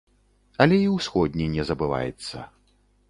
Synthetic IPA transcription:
ɐlʲɛiwsxɔd̪ʲnʲinʲɛzɐbɨva̰jɛ̰t̪sːɐ̰

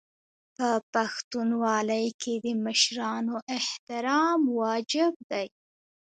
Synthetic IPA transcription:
pəpaxt̪unwɑləjkʰed̪əməʃɾɑnoʔɪht̪ɪɾɑmwɑd͡ʒɪb̚d̪aj

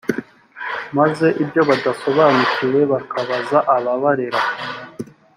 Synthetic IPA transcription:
maze̞ʔibjo̞βadaso̞βaːnucije̞βakʰaβazaʔaβaβaɾiɾa

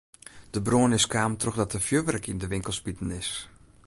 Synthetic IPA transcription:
d̥əbroənɪskaːmtroxdɔtəfjøʋɛrkindəʋɪŋkəlˠspitn̩ɪs

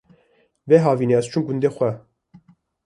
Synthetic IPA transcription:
vɛɦɑːviːneɛst͡ʃʰumɡund̪exʷɛ

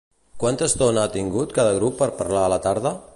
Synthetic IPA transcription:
kwant̪əst̪onəat̪iŋɡut̪kaðəɣ̞ɾupːəɾpəɾlaələt̪aɾð̞ə

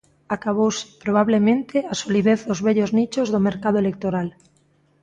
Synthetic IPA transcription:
akaβowsɪ̥pɾoβ̞aβlemẽnt̪ʰɪasoliðeθðʊzβɛʎoznit͡ʃozðʊmeɾkaðʊelek̚t̪oɾal

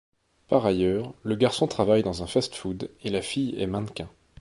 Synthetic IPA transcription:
paʁajœːʁləɡaʁsɔ̃t̪χavajd̪ɑ̃zɛ̃fast̪fud̪elafijɛ̰mɛ̃nkʲɛ̃

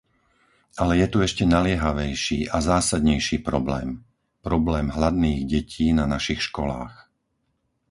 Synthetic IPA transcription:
alɛjɛt̪uɛʃcɛnalɪɛɦaʋɛjʃiːʔazaːsad̪ɲɛjʃiːpɾɔblɛ̰ːm | pɾɔblɛːmɦlad̪niːɣɟɛcʰiːnanaʃixʃkɔla̰ːx

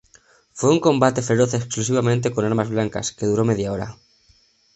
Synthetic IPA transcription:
fweuŋko̞mbat̪e̞fe̞ɾoθeksklusiβ̞amẽnt̪e̞konaɾmazβlaŋka̰skeðuɾomeðjaoɾa̰

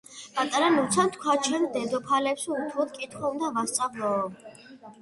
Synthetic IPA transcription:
pʼat̪ʼaɾanut̪sʰant̪ʰkʷʰwat͡ʃʰɛnd̪ɛd̪ɔpʰalɛpsut̪ʰlɔt̪̚kʼit̪ʰχɔund̪avast̪sʼavlˠɔː

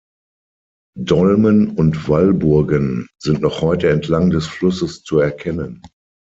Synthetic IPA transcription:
dɔlmənʊntv̥albʊɐɡənzɪntnɔχhɔʏtəɛntʰlaŋdɛsflʊsəst͡suɛɐkʰɛnən

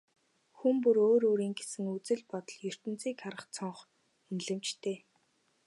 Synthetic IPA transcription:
xumpuɾoːɾoːɾiːŋɡesɘ̆ŋut͡sɘ̆ɮpɔt̪ɞ̆ɮjɵr̥t̪ɘ̆nt͡siːkaɾʁə̆χt͡sʰɔɴχ | unɮɘ̆mt͡ɕt̪ʰeː

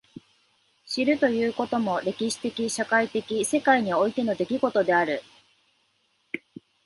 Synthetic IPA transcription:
ɕiɾɯ̟t̪o̞jɯ̟ːko̞t̪o̞mo̞ɾe̞kʲiɕi̥t̪e̞kʲiɕakait̪e̞kʲise̞kaiɲ̟io̞it̪e̞no̞d̪e̞kʲiɡo̞t̪o̞d̪e̞aɾɯ̟

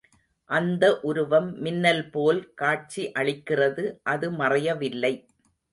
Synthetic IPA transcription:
ʔɐnd̪ɐʔʊɾɯʋɐmːɪnːɐlpoːlkaːʈ̚t͡ʃiʔɐɭɪkːɪrɐðɯʔɐðɯmɐrɐjɐʋɪlːɐɪ

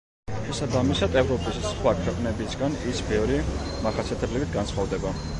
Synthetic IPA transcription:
ʃɛsabamisad̪ɛvɾɔpʼissχwakʰwɛqʼnɛbisɡanisbɛvɾimaχasʰɛt̪ʰɛblibit̪̚ʰɡansχɔvd̪ɛba

